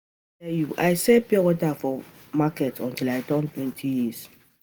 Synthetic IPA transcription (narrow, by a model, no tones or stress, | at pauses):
ɛjuʔajsɛpɛwɔtafɔ | makɛtʰɔ̃ntilajdɔ̃ntwɛ̃ntʰijis